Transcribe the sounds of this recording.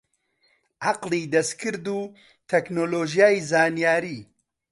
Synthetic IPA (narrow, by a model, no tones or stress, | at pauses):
ʔaqliːd̪ɐskʰɨɾd̪uː | t̪ʰɛknoːloːʒijaːjizaːnijaːɾiː